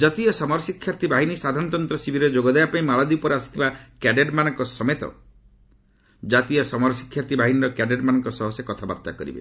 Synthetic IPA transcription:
d͡ʒat̪iɔsɔmɔɾɔsikʰːjaɾt̪ʰibaɦinisad̪ʱaɾnɔt̪ɔnt̪ɾɔsibʱiɾed͡ʒoɡɔd̪eapaĩmaɭɔd̪ipɔɾeasi̥t̪ʰibakɛɖeɖmanɔŋkɔsɔmet̪ɔ̰ | d͡ʒat̪ijɔsɔmɔɾɔsi̥kʰːjaɾt̪ʰibʱaɦiniɾɔkɛɖeɖmanɔŋkɔsɔɦɔsekɔt̪ʰaba̰pt̪a̰kɔ̰ɾḭbḛ

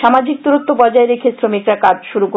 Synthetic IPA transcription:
ʃamad͡ʑik̚t̪uɾot̪ːopɔd͡ʑaeɾekʰesɾomikɾakad͡ʑʃuɾuko

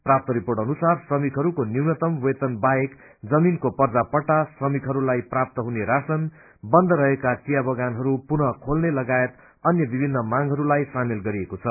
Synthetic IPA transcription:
prap̚t̪ʌɾiporɽʌnusarsʌmikɦʌɾukoniwnʌt̪ʌmwet̪ʌnbaek | d͡zʌminkopʌrd͡zapʌʈːasʌmikɦʌɾulajprap̚t̪ʌɦuneɾasʌn | bʌnd̪ʱʌɾʌɦekat͡sijabʌɡanɦʌɾupunʌkʰolnelʌɡaet̪ | ʌnjʌbibʱinːʌmaŋɦʌɾulajsamelɡʌɾiekot͡sʰʌ

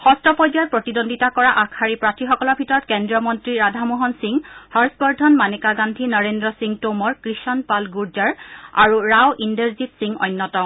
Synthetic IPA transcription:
xɔstɔpɔziaɹpɹotidondʱitakɔɹaʔakʰaɹipɹatʰixɔkɔlɔɹbʱitɔɹɔt̚kɛndɹiɔmɔntɹiɹadʱamoɦɔnsiŋhaɹsbɔɹdʱɔnmanekaɡandʱinɔɹendɹɔsiŋtomɔɹkɹiʃɔnpalɡuɹd͡ʒaɹa̰ɹuɹawʔindeɹzipsiŋɔ̰jnːɔtɔ

